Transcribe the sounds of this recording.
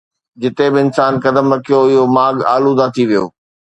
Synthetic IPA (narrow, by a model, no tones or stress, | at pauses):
d͡ʑɪt̪ebɪɪnsaːnkɐd̪əmɾɐkʰijoɪɦomaːɠaːlunɐt̪ʰiʋijo̰ː